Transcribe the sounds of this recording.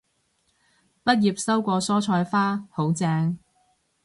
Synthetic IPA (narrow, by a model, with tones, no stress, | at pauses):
pɐ˥t̚jiː˨˩p̚sɐ˥wkʷɔː˧sɔː˥t͡ʃʰɔː˧jfaː˥ho˨˥wt͡sɛː˧ŋ